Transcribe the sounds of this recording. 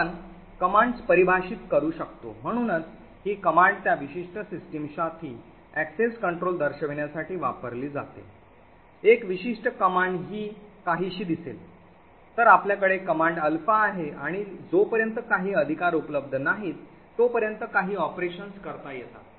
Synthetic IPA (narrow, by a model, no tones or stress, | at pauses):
n | kəmãɳɖspəɾibʱaɕiːt̪kəɾuːɕəkt̪o̰m̤əɽ̃uːnət͡s | ɦiːkəmaɳɖt̪jaʋiɕiʂʈəsisʈimɕat̪ʰiː | ækseskəɳʈɾold̪əɾɕəʋeɳjasaʈʰiːʋa̰pəɾliːd͡za̰t̪ḛ | ekʋiɕiʂʈəkəmaɳɖɦiːkaɦiːɕiːd̪isḛl | t̪əɾapljakəɽekəmãɳɖəlfaːɦeʔaɽ̃id͡zopəɾjənt̪əkaɦiːəd̪ʱikaɾupləb̚d̪ʱənaɦiːt̪ː | opəɾjənt̪əkaɦiːɔpɾeɕənskəɾt̪ajet̪a̰